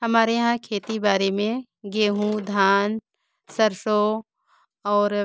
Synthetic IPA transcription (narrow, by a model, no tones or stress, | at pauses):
ɦɐmaːɾeɦãkʰeːt̪ibaːɾemẽ | ɡeːɦũd̪ʱaːn | səɾʃo | ɔːɾ